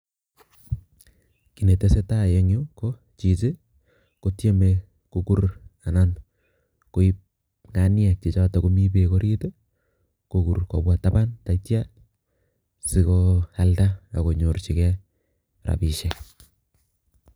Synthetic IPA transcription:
ki˨ne˨te˦se˦ta˦je˨ŋju˦ko | t͡ʃi˨se˦ | kotje˦me | ko˨ku˦ɾa˨nan | ko˦i˦p̚ | ŋa˨˦nja˨k̚t͡ʃi˨t͡ʃa˦tɔ˨ko˦mi˦beko˦ɾi˦to | ko˨ku˨ɾkɔ̰˨bwa˨ta˦ba˦nta˨itja˦ | si˦kɔa˦lta˦a̰˨ko˨ɲo˨rt͡ʃi˨kɛ | ɾa̰bi˨ʃɛk

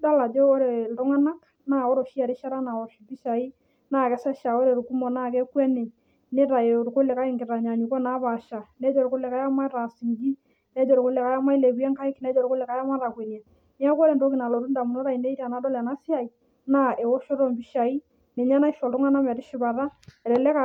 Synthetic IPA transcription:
da˦la˨d͡ʒo˦o˦ɾe˨ldʊ˦ŋa˦na˦k | na˦˨o˦ɾo˨ʃi˦a˨ɾɪ˦ʃa˦ɾa˦na˨o˨ʃi˨pi˦ʃa˨i˦ | naː˦˨kɛ˦sa˦ʃa˨o˦ɾe˨ɾu˨ku˦mɔ˨naː˦˨kɛ˦kwɛ˦ne˨ | nɪ˦ɾa˨e˨ɾko˦le˨ka˦e˦˨ŋɡɪ˨ɾa˨ɲa˨ɲu˨ko˦na˦ba˨ʃa˨nɛ˦d͡ʒo˨ɾko˦le˨ka˦ja˦ma˦ɾa˨si˨ŋɡi˦ | nɛ˦d͡ʒɔ˨ɾko˦lɛ˨ka˨˦ja˦ma˦jle˨ku˦ɛ˦ŋka˦ɪ˦knɛ˦d͡ʒɔ˨ɾko˦lɛ˨ka˨˦ja˦ma˦ɾa˨kwe˨nja˨ | ni˦a˦kɔ˦ɾɛ˦˨ndo˦ki˨na˨lo˨ɾu˦nda˨mu˨no˦ɾa˨i˨ne˦i˦ɾa˨na˨˦dɔ˦la˨na˦si˦a˨i˨ | na˦˨ɛ˨wo˦ʃɔ˦ɾɔ˦˨mbi˦ʃa˨i˦ | ne˨ɲa˦na˦i˦ʃɔ˨ldʊ˦ŋa˦na˦mɛ˨ɾɪ˦ʃɪ˨ba˨ða˦ɛ˨ɾɛ˨lɛ˦ka˨

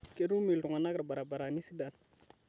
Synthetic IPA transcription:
ke˦dũ˦mi˨lɔ˨ŋa˨na˦kɾa˨ba˨ɾa˨ba˨ɾa˨ni˦si˦da˨n

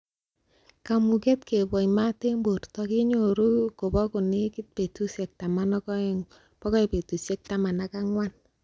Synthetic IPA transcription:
ka˨mu˨ke˦tkʰe˨bɔ˨ɲma˦te˦mbo˨rtɔ˦kɪ˦ɲo˨ɾu˦ko˨bɔ˦kʊ˨nɪ˦kɪ˦t̚pe˨tu˦se˨k̚ta˨ma˦nɔ˦ | pɔ˦kɔ˦i˨pe˨tu˨se˦k̚ta˦ma˨na˦ka˦ŋwa˦n

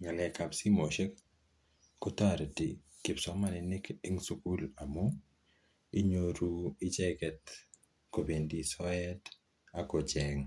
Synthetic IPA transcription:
ɲa˨lɛ˨ka˨psi˦mo˨ʃe˦k | kota˦˨ɾe˨di˨ | kɪ˨psa˦ma˦nɪ˨nɪ˦ki˦ŋsu˦ku˦la˨mu˦ | i˦ɲoɾu˦ɪ˦d͡ʒɛkɛt̪ | ko˨be˨ndisɔɛd | a˦kɔ˨d͡ʒɛŋ

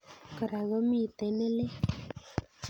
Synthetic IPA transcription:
kə˨ɾa˨ɣo˦mi˦˨t̪e˨˦ne˦le˦

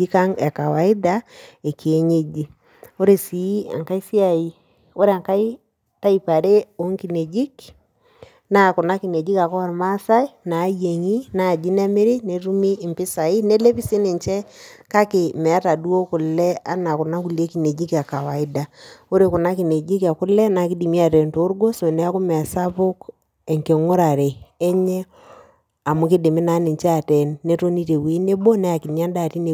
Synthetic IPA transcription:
i˦ka˦ŋa˨ka˨wa˨ɪ˦da˦e˨kʰe˨˦ɲe˦d͡ʒi˦ | o˦ɾe˨si˨˦a̰˨ŋka˦i˦si˦a˨i˦ | o˦ɾe˦a˨ŋka˦i˦ | ta˦i˨pa˨ɾe˦o˦ŋki˨ne˨d͡ʒi˦k | na˨kʊ˨na˦ki˨ne˨d͡ʒi˦ka˨kɔ˦ɾma˦sa˦i˦na˨˦je˨ŋi˦na˨d͡ʒi˦na˦mɪ˦ɾi˦ne˨ɾu˦mi˦ʔmpɪ˦sa˨i˦ne˦le˦pi˦si˦ne˨ɲt͡ʃɛ˦ka˦kɪ˨mɛ˨a˦ta˨du˦o˦kʊ˨lɛ˦a˦na˨kʊ˨na˦ku˨lje˦ki˨ne˨d͡ʒi˦ka˨ka˨wa˨ɪ˦da˦o˦ɾe˦kʊ˨na˦ki˨ne˨d͡ʒi˦ka˨kʊ˦lɛ˦na˨ki˦di˨mi˦a˨te˨nto˨˦ɾɡo˦so˨nɛ˦a˦kʊ˦mɛ˨a˨sa˦pʊ˦k | e˨ŋke˨ŋʊ˦ɾa˨ɾeː˨˦ɲɛ˦ | a˨mʊ˦kɪ˦dɪ˨mi˦na˦ne˨ɲt͡ʃa˨tɛ˨nːe˦to˦ni˦te˨wi˦ne˦bo˦nɛ˦a˨kɪ˨nja˦nda˦˨ti˦ne˨

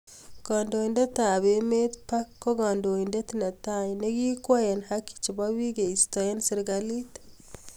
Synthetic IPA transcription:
ɡ̥a˨ndo˨inda˦t̪a˨be˦me˦t̪pa˦kːo˦ɡa˨ndo˨i˨nde˦t̪ina˨t̪a˦jne˦ɡi˦kwa˦ja˨nha˦ki̥˨t͡ʃi˨ba˦wi˦ɡe˨i˨st̪o˨je˦nsi˨ɾɡali˦t̪

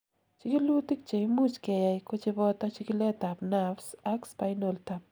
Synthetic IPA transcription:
t͡ʃɪ˦ki˦lu˦ti˦k̚t͡ʃe˨ɪ˦mu˦t͡ʃkɛ˨ja˨ɪko˦t͡ʃe˦bɔ˦t̪a˦t͡ʃi˦ki˦le˦ta˨pna˦fsa˦kspa˨ɪno˨lta˨p̚

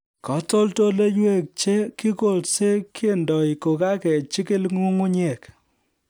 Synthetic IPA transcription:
kɔ˨˦to˦lto˦le˦jwe˦k̚t͡ʃe˦ki˦ko˨lse˦kʰe˦˨ndɔ˨i˨ko˨ka˦kɛ˨t͡ʃi˦kɪ˦lŋu˦ŋu˦ɲe˨k

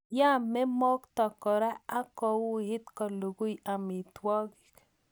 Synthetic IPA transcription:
ja˦mːɛ˦mɔ˦kt̪ɔ˨kɔ˨ɾa˦a˦kɔ˨˦ɪ˦t̪kɔ˨lo˨ɡu˦ia˨mɪ˨t̪wɔ˦ɡɪ˨k

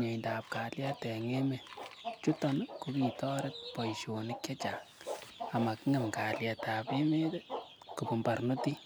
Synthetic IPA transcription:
ɲo˨i˨ndap̚ka˨lja˦tɛ˨ŋe˦me˨t͡ʃu˦tɔ˦nku˨ki˨tɔ˦ɾe˦t̚pɔ˨jʃo˨ni˦kjɛ˦t͡ʃa˨ŋ | a˨ma˨ki˦ŋe˨mka˨lja˨ta˨pe˦me˦t | ku˨pu˨mba˨rnu˦ti˦

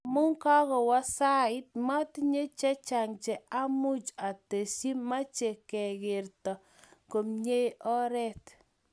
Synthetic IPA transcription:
mʊ˦ŋka˦ɣɔ˨wɔ˦sa˦ɪ˦t̚ma˦ti˦ɲe˦t͡ʃɛ˦t͡ʃa˨ŋt͡ʃɛ˨a˦mʊ˦t͡ʃa˨te˨si˦ma˦t͡ʃe˨kɛ˨ɡɪ˨ɾtɔ˨ | ko˨mɲe˦jʔɔ˦ɾɛ˦t

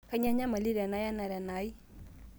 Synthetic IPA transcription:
ka˦ɲa˦ɲa˦ma˨li˦ɾɛ˨na˨˦ja˦nɛ˨ɾɛ˨na˨˦j

